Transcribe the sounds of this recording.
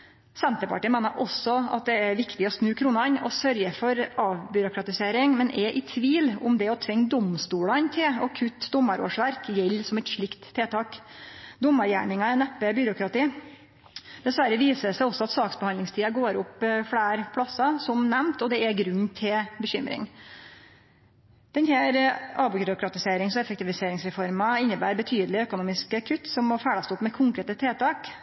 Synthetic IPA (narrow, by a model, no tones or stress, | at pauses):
sɛnt̪əɾpɑʈiːmeːnəɾʔɔsɔɑ̰t̪̚d̪ɛæɾʋɪkt̪ɪɔsnʉːkʰɾuːnɑnɔ̰sœɾjəfɔɾɑːʋbʏɾʊkɾɑt̪ɪseːɾɪŋmɛnʔɛʔɪt̪ʰʋiːlʊ̰md̪ɛɔt̪ʰʋɛŋːd̪ɔmst̪uːlɑnt̪ʰɪlɔkʰʉt̪ːd̪ʊmːəɾo̰ːʂʋæɾkjɛlːsɔmɛt̪ʂɭɪkt̪ʰːeːt̪ʰɑːkd̪ʊmːɑɾjæ̰ːɳɪŋɑɛnɛpːəbʏɾʊkɾɑt̪iː | d̪̥ɛsʋæɾːəʋiːsəsæɪɔsːɔɑt̪sɑːksbəhɑnd̪lɪŋst̪ʰiːɑɡoːɾʊpːfɽæːɾpʰɽɑsɑsɔmnɛmnt̪ɔd̪ɛæɾɡɾʉnːt̪ʰɪlbəɕʏmɾɪ̰ŋ | d̪̥ɛnhæːɾɑbʊɾʊkɾɑt̪ɪseːɾɪŋsɔɛfɛk̚t̪ɪʋɪseːɾɪŋsɾɛfɔɾmɑɪnːəbæ̰ːɾbət̪ʰyːd̪əlɪœkʊnuːmɪskəkʰʉt̪ːsɔmːɔfæːɽɑst̪ɔpːmɛkʰʊŋkɾeːt̪ət̪ʰeːt̪ʰɑːk